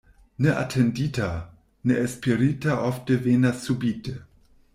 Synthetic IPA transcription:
neʔa̰tʰendita | neʔespeɾitaʔofteveːnasːubite

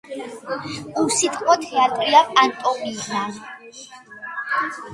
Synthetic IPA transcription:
usit̪ʼqʼmɔt̪ʰɛat̪ʼɾiaant̪ʼɔminan

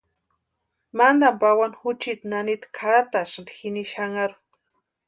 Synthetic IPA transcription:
mand̪ampawanxʊt͡ʃit̪nanit̪ḁkʰaɾat̪aʃnd̪xiniʃaŋaɾu

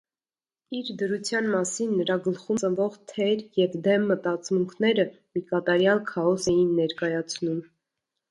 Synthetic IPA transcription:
iɾd̪əɾut͡sʰjɑnmɑsinːəɾɑɡəlχut͡səvɔʁt̪ʰɛɾjɛvd̪ɛmːət̪ɑt͡smuŋkʰnɛɾə | mikɑt̪ɑɾjɑlkʰɑɔsɛjinːɛɾkɑjɑt͡sʰnum

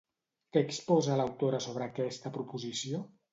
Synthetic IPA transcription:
kɛːkspɔzələwt̪oɾəsoβ̞ɾəːkɛst̪əpɾupuzisio

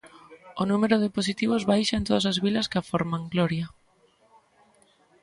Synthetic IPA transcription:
onumeɾʊðɪpos̬it̪iβ̞ʊzβajʃɐẽnt̪oðas̬azβilɐskɪafɔɾmaŋɡlɔɾjɐ

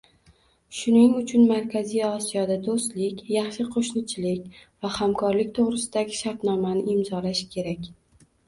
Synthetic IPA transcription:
ʃʊnɪŋʊt͡ʃʰʊnmaɾkʲʰazijɒsijɒd̪ad̪ost̪lɪkʲjɑχʃɪqʰoʃnɪt͡ʃʰɪlɪkʲvahamkʰɒɾlɪk̚ʲt̪ʰoʁɾɪsɪd̪aɡʲɪʃaɾt̪nɒmanɪɪmzɒlaʃkʲʰe̞ɾakʲ

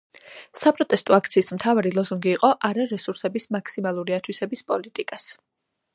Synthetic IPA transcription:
sapʼɾɔt̪ʼɛst̪ʼɔak̚ʰt̪sʰiːsmt̪ʰavaɾilˠɔzuŋɡiːqʼɔʔaɾaɾɛsuɾsɛbismakʰsimalˠuɾiat̪ʰwisɛbispʼɔlit̪ʼikʼas

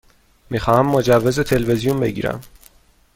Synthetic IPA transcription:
miːxɒːhæmːod͡ʒævːe̞zet̪ʰe̞lvezijunbe̞ɟḭːɾæ̰m

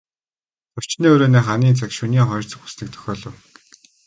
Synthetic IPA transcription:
t͡sʰʊw̥t͡ɕniːoːɾoːniːχaniːnt͡sʰakʃuniːŋχɔj̆rt͡sɞ̆xu̥snĭk̚t̪ʰœ̥xʲɔːɮɞ̆w

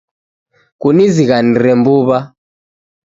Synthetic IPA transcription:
kuniziɣaniɾɛmbuːβa

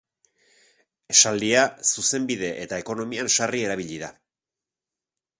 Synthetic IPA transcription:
eʃald̪iasuse̞mbiðe̞ʔet̪ae̞ko̞no̞mianʃarie̞ɾaβ̞iʎiða

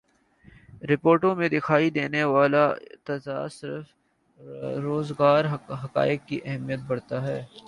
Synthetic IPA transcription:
ɾɪpoːɾʈõmẽd̪ɪkʰaːid̪eːneʋaːlat̪ɐza̰ːsɪɾf | ɾoːzɡaːɾɦɐka̰ːɪk̚ːiʔɛɦmijət̪̚bɐɽt̪aɦɛː

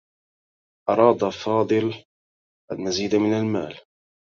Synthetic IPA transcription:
ʔɑɾˤɑːd̪afɑːd̪ˤɨl | ʔanːaziːd̪amɪnalma̰ːl

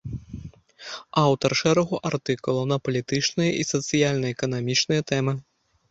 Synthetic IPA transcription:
awt̪ɐrʂɛɾɐɣuʔart̪ɨkulˠɐnɐpɐlʲit̪ɨt͡ʂnɨjɐʔisɐt̪sɨjalʲnɐɛkɐn̪amʲit͡ʂnɨjɐt̪ɛmɨ

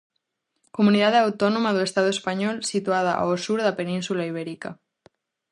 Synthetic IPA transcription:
komuniðaðawt̪onomaðuest̪aðoespaɲɔlsit̪uað̞aʔa̰osuɾðapenĩnsulaiβ̞eɾika̰

